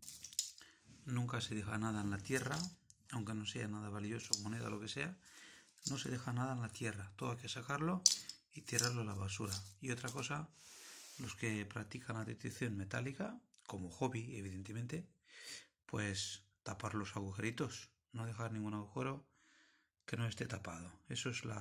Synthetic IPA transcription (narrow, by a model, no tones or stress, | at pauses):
nũŋkase̞ð̞exa̰nað̞aenlat̪je̞raawŋke̞no̞se̞anað̞aβalio̞somo̞ne̞ða̰lo̞ke̞se̞a | no̞se̞ðe̞xanað̞aenlat̪je̞rat̪oðakesakaɾlo̞ | it̪iɾaɾlolaβasuɾaio̞t̪ɾako̞sa | lo̞ske̞pɾak̚t̪ikanat̪it̪ɾiθjo̞nme̞t̪alikako̞moxo̞βieβ̞iðe̞nt̪e̞mẽ̞nt̪e̞ | pwe̞s | t̪apaɾlo̞saɣ̞uxe̞ɾit̪o̞s | no̞ðe̞xaɾnĩŋɡunaɣuxe̞ɾo̞ | ke̞no̞e̞st̪e̞t̪apað̞o̞e̞soezla̰